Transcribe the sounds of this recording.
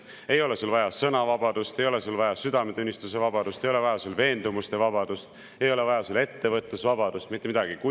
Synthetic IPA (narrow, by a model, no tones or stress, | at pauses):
e̞jo̞le̞sulvɑjɑsɤnɑvɑbɑd̪̥ust̪e̞jo̞le̞sulvɑjɑsyd̪ɑmet̪unʲːist̪use̞vɑbɑd̪̥ust̪e̞jo̞le̞vɑjɑsulve̞ːnd̪̥umust̪e̞vɑbɑd̪̥ust̪ | e̞jo̞le̞vɑjɑsule̞t̪ːe̞vɤt̪ːˑlusvɑbɑd̪̥ust̪mit̪ːˑemid̪̥ɑɡ̥iku